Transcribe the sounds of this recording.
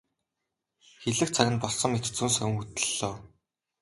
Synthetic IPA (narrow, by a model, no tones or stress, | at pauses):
xeɮɘ̆kt͡sʰaɣʲɪ̆npɔɮsɞ̆ŋmet̪̆t͡suːnsœw̆ŋxut̪ɘ̥̆ɮoː